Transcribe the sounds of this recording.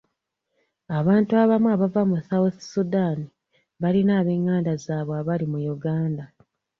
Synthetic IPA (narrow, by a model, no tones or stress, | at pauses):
aβaːntuaβamuaβavamuθawuθsudani | βalinaːβe̞ːŋːaːndazaːβoaβalimujuɡaːnda